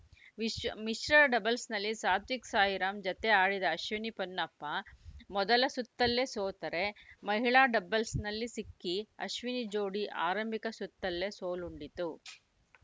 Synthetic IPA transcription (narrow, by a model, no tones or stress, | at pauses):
miʃɾɐɾɐɖɐbɐlsnɐlːisaːt̪ʋiksaːjiɾaːmd͡ʒɐt̪eaːɽid̪ɐːʃʋinipɐnːɐpːɐmɔd̪ɐlɐsut̪ːɐlːe̞soːt̪ɐɾe̞mɐɦiɭaːɖɐbɐlsnɐlːisikːiɐ̰ʃʋinid͡ʒoːɽiʔa̰ːɾɐmbʱikɐsut̪ːɐlːe̞soːluɳɖit̪u